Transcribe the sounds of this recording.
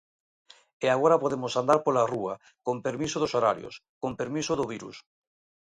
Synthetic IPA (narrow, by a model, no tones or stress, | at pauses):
eaɣoɾapoðemosand̪aɾpolarua | kompeɾmisoðosoɾa̰ɾjo̰skompeɾmisoðʊβ̞iɾṵs